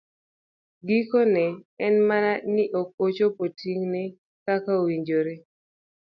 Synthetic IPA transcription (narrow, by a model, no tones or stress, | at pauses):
ɡikonɛɛnmananɪʔok̚ot͡ʃopotʰiŋne | kakawiɲd͡ʒoɾe